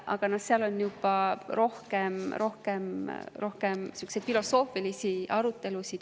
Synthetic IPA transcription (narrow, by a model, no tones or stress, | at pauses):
ʔɑ̰ɡ̥ɑnɑt̪seɑlo̞njub̥ɑro̞hke̞mɾo̞hke̞mɾo̞hke̞msykːˑsed̪̥filo̞so̞ːfilisiʔɑɾut̪ːe̞lusid̪̥